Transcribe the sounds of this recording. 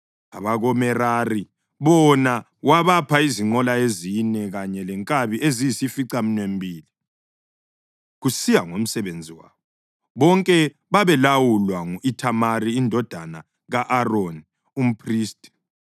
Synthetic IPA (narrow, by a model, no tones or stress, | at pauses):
aβaɣɔmɛrari | βɔna | waβapʰaiziŋ͡ǃɔlaezinɛɣaɲɛlɛŋkʼaβiʔezijisifiǀam̩nwem̩bʱiːli | ɣusijaŋom̩sɛβend͡zʱiwa̰ːβɔ | βɔŋkʼɛ | βaβɛlawulwaŋuʔitʰamariːndʱɔd̥ʱana | ɣaʔaroni | um̩pʰriːstʼi̥